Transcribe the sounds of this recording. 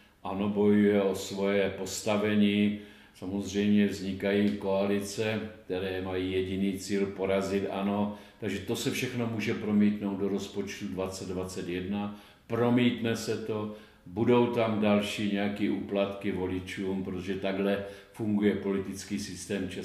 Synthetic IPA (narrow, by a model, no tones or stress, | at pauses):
ʔano̞bo̞jujɛʔo̞svo̞jɛpo̞st̪avɛɲiː | samozr̝ɛjmɲɛvzɲɪkajiːko̞alɪt͡sɛk̚t̪ɛɾɛːmajiːjɛɟɪniːt͡siːlpo̞ɾazɪt̪ʔa̰no̞t̪aɡʒɛt̪o̞sɛfʃɛxno̞muːʒɛpɾomiːt̪nowd̪̚do̞ɾo̞spot͡ʃt̪udvat͡sɛd̪vat͡sɛt̪jɛdna | pɾo̞miːt̪nɛsɛt̪o̞ | budo̞wt̪amdalʃiːɲɛakiːʔuːplat̪kɪvo̞lɪt͡ʃuːmpɾot̪oʒɛt̪aɡɦlɛ | fuŋɡujɛpo̞lɪt̪ɪt͡skiːsɪst̪ɛːmt͡ʃɛ